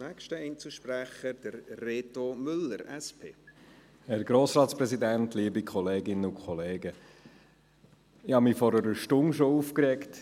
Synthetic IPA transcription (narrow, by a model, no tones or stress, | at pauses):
nɛkʃtəɛnt͡suʃpɾæχəd̥əɾreːtomʏləɾɛspʰeː | hɛɾɡ̥ɾoːsɾɑːtspɾɛzidæntliːbikʰχɔleːɡɪnəʊkʰχɔleːɡə | ɪhɑmifɔɾəɾəʃtʊnʃoufkɾɛkt